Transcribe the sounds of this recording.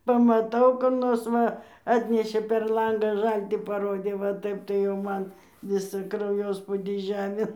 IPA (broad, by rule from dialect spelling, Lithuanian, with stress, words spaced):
pɐmɐˈtɐʊ kʊr ˈnoːrs ˈʋɐ ˈɑːtʲnʲɛʃʲeː pʲɛr ˈlˠɐŋɡɑː ˈʒɐlʲtʲiː pɐˈroːdʲeː ʋɐ ˈtɐɪp tɐɪ jɛʊ ˈmɐn ˈʋʲɪsɑː krɐʊˈjoːspʊdʲiː ˈʒʲæːmʲeːn